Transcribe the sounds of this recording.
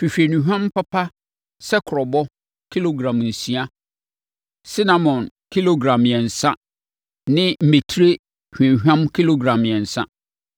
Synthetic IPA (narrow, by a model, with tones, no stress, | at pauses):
fi˨fi˨e˨nũ˨ɦᶣã˦mpʰa˦pʰa˦ | sɛ˦kʰʊ˨ɾɔ˨bɔ˦ | kʰi˦lo˨ɡɾã˨mn̩˨sĩ˨˦a˦ | si˦nã˨mɔ̃˨n | kʰi˦lo˨ɡɾã˨mjɛ˨n̩˨sa˦ | nɪ̃˦m̩˨me˨tʰi˦ɾe˦ | hᶣɛ̃˨hᶣã˦mkʰi˦lo˨ɡɾã˨mjɛ˨n̩˨sa̰˦